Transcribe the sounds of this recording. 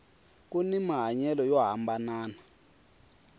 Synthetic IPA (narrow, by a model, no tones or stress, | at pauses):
k̬ʼunimaɦaɲɛlɔjɔɦambanaːna